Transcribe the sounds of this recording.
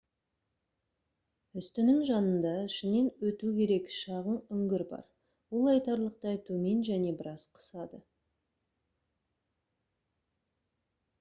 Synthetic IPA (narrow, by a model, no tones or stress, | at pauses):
ʏst̪ɪnɪŋʒɑnənd̪ɑʃɪne̞nwɵt̪ukʲʰe̞ɾe̞kʃɑʁənʏŋɡʲɪɾbɑ̰ɾ | wolˠɑjt̪ɑɾlˠəqt̪ɑjt̪ʰɵme̞nʒæne̞bɪɾɑzqʰə̥sɑd̪ə